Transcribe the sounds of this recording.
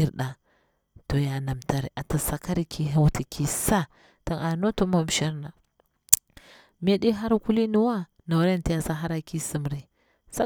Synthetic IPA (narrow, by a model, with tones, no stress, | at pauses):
i˦ɾɗa˨ | to˨ja˨na˨mta˨ɾi˨ʔa˨ta˨sa˨ka˦ɾi˦kʰi˦ɦa˦wtʰi˨kʰi˦sa˦ | to˨na˨no˦to˦ma˦m˨ʃa˦ɾna˨ | me˦ɗi˦ɦa˦ɾkʷu˦li˦nu˦wa˦ | na˨wɾe˦nta˦ja˦sa˦ɦa˦ɾa˨ki˦si˦mɾi˦ | sa˦